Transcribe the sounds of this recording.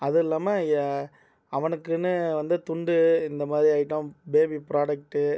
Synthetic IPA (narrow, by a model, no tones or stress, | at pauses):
ɐðɯɪlːaːmaja | ɐʋɐnɯkːɯnːɯʋɐnd̪ɯt̪ʊɳɖɯɪnd̪ɐmaːðɾiaːɪʈːõbeːbipɪɾaːɖɐk̚ʈːɯ